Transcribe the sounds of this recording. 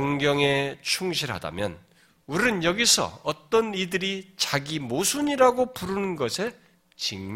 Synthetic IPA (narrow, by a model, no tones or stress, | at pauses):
ŋɡjʌŋet͡ɕʰuŋɕʰiɾɦa̰da̰mjʌ̰n | uɾɾɯnjʌɡisʰʌ̰ʌt͈ʌnidɯɾit͡ɕaɡimosʰuɲiɾaɡopuɾunɯnɡʌsʰe̞ | t͡ɕiŋm